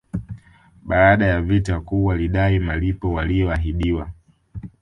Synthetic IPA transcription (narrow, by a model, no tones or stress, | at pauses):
ɓaːɗajavitakuwaliɗaimalipɔwalijɔaɦiɗiwa